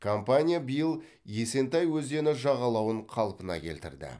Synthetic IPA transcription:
kʰo̞mpanʲijabijəlˠ | je̞se̞nt̪ɑjwɵzd̪e̞nɪʒɑʁɑlˠɑwəɴqʰɑlˠpənɑ̰kʲʰe̞̰lt̪ɪ̰ɾd̪ɪ̰

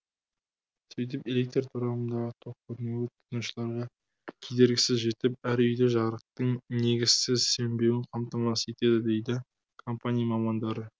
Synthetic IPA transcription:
sejt̪̬ɪpe̞lʲek̚t̪t̪ʰʊɾɑənd̪ɑʁət̪ʰoq̚kʰɵɾne̞wɪt̪ʰɪnuʃəlˠɑɾʁɑ | kʲʰejd̪e̞ɾɡʲɪsɪzʒe̞t̪ɪp̚æɾʏjd̪eʒɑɾəq̚t̪əɴne̞ɡʲɪz̥sɪzse̞mbe̞wɪnqʰɑmt̪ɑmɑsʰe̞t̪e̞d̪ɪd̪e̞jd̪ɪ | kʰo̞mpanʲijamɑmɑnd̪ɑɾə

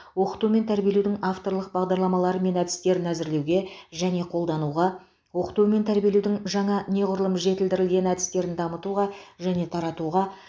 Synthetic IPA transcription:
wo̞qə̥t̪ume̞nt̪ʰæɾbijeluwd̪ɪŋɑft̪o̞ɾlˠəq̚bɑʁd̪ɑɾlˠɑmɑlˠɑɾəme̞næd̪ɪ̥st̪e̞ɾɪnæzɪɾle̞wɡʲe̞ʒæne̞qʰo̞lˠd̪ɑnuʁɑ | wo̞qə̥t̪ume̞nt̪ʰæɾbijelud̪ɪŋʒɑɴɑne̞ʁʊɾəlˠəmʒe̞t̪ɪld̪ɪɾɪlɡʲe̞næd̪ɪ̥st̪e̞ɾɪnd̪ɑmət̪uʁɑʒæne̞t̪ʰɑɾɑt̪uʁɑ

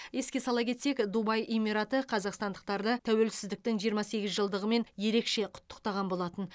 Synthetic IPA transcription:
je̞skʲe̞sɑlˠɑkʲʰe̞t̪se̞kd̪ubɑjʔemʲiɾɑt̪əqʰɑzɑqst̪ɑnd̪əq̚t̪ɑɾd̪ət̪ʰæwe̞lsɪzd̪ɪk̚t̪ɪŋʒijəɾmɑse̞ɡʲɪzʒəlˠd̪əʁəme̞nje̞ɾe̞kʃe̞qʰʊ̥t̪ːə̥qt̪ɑʁɑnbo̞lˠɑt̪ən

